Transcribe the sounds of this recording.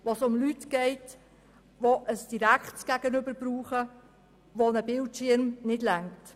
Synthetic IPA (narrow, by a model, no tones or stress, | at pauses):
ʋosʊmlytɡ̥ɛɪt | ʋoʔəsd̥iɾækχtɡ̥æɡ̥ənʏbəɾbɾuːχə | ʋonəbɪltʃɪɾmnɪdlæŋkt